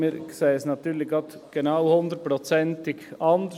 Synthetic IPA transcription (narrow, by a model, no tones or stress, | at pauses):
əɾksæɪəsnɑt̪ʉːɾɭɪɡɑt̪ | ɡ̥ɛnɑʊhʊnd̪əɾəpɾɔt̪sɛnt̪ɪɡɑnd̪